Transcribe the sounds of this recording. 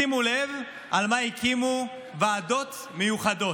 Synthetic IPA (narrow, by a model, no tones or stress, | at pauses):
imule̞v | ʔalmaikimu | vaːdo̞t̪ | mejuχado̞